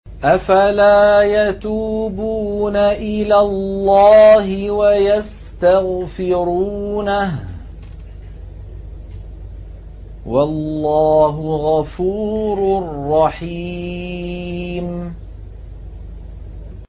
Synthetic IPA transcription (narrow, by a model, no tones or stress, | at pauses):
ʔafalaːjat̪uːbuːnaʔɪlaːlːaːhɪwajas | t̪aɣfɪɾuːnah | walːaːɦʊɣafuːɾrːɑħi | m